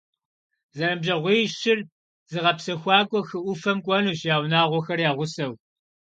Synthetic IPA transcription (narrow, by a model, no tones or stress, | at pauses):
zɐɾɨmʒɐʁʷiːʃɪr | z̥ɨʁɐpsɐxʷɑːkʷʼɔxɨʔʷʊfɐmkʷʼɔnuːɕjaːwnaːʁʷɔxɐrjaːʁʷʊsɐw